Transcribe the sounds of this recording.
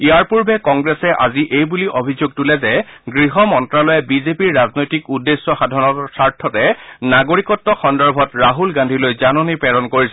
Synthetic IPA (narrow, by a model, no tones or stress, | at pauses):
iaɹpuɹbɛkɔŋɡɹɛsɛʔa̰ziʔejbuliʔobʱizuɡ̚tulɛzɛɡɹiɦɔmɔntɹalɔjɛbizepiɹːaznojtikudːesːɔxadʱɔɹɔsaɹtʰːɔtɛnaɡoɹikɔtːɔxɔndɔɹbʱɔtɹaɦulɡãndʱilojzanɔnipɛɹɔnkoɹisɛ